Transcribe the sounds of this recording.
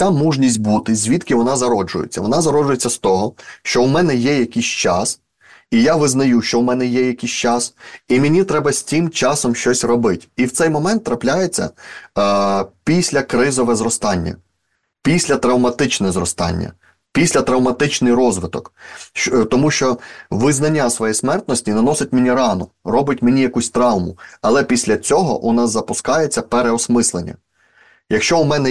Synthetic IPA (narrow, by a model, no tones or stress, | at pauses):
amuʒnʲisʲt̚ʲbut̪ɪzʲʋʲit̪kʲɪʋɔnɑzɐɾɔd͡ʒʊjḛt͡sʲːɐʋɔnɑzɐɾɔd͡ʒʊjet͡sʲːɐst̪ɔɦɔʃt͡ʃɔwmɛnɛjɛjɐkʲisʲt͡ʃɑs | ijaʋɪznɐjuʃt͡ʃɔwmɛnɛjɛjɐkʲijsʲt͡ʃɑsimenʲit̪ɾɛbɐsʲtʲimt͡ʃɑsɔmʃt͡ʃɔsʲrɔbɪtʲiwt̪sɛjmɔmɛnt̪ːɾɐplʲajet͡sʲːɐ̰ | pʲisʲlʲɐkɾɪzɔʋɛzɾɔst̪ɑnʲːɐ̰ | pʲisʲlʲɐt̪ɾɐwmɐt̪ɪt͡ʃnɛzɾɔst̪ɑ̰nʲːɐ̰ | pʲisʲlʲɐt̪ɾɐwmɐt̪ɪt͡ʃnɪjɾɔzʋɪt̪ɔk | t̪ɔmuʃt͡ʃɔʋɪznɐnʲːasʋɔjɛsmɛrt̪nɔsʲtʲinɐnɔsɪtʲmenʲiɾɑnɔrɔbɪtʲmenʲijɐkusʲt̪ɾɑwmʊɐlˠɛpʲisʲlʲɐt͡sʲɔɦɔ̰ʔʊnɑzɐpʊskɑjet͡sʲːɐpeɾeɔsmɪslˠenʲːɐ̰ | jɐkʃt͡ʃɔʊmɛnɛ